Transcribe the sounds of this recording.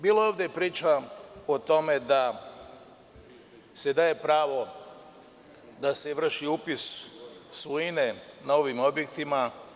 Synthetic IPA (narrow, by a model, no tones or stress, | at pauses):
biːlooːʋd̪epɾiːt͡ʃaot̪o̞me̞d̪a | se̞d̪aːje̞pɾaːʋo̞ | d̪ase̞ʋr̩ʃiuːpissuine̞nao̞ʋimo̞bje̞kt̪ima